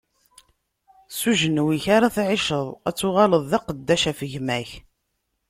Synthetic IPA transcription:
suʒənwiçaɾaθʕɪʃəðˤæ̰t͡sːʊʁɑləðˤðɑqəd̪ːæʃæfəʝmæç

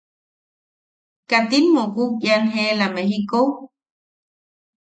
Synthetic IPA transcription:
kat̪imːokuk̚janɦelamehikow

